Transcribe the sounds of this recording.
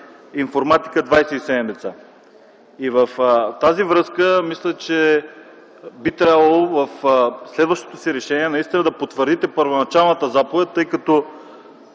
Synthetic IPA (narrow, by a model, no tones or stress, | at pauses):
infoɾmat̪i̥kəd̪vajsɛisɛd̪ɛmd̪ɛt̪sa | ivəft̪azivɾɤskəmislʲət͡ʃɛ | bit̪ɾʲabəlˠovəfslɛd̪vəʃt̪o̥t̪osiɾɛʃɛniɛnɐist̪inəd̪ɐpot̪vəɾd̪it̪ɛpəɾvonɐt͡ʃalˠnət̪əzapovɛt̪̚ʲt̪ɤjkɐt̪ɔ